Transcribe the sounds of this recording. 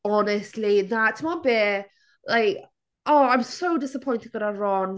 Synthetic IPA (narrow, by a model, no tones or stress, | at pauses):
ɔnəstliðəʔtʰmabeː | laɪk | oːãɪ̃msoʊdɪsəpʰɔ̃ɪ̃ntɪd̚wə̃naɹɔn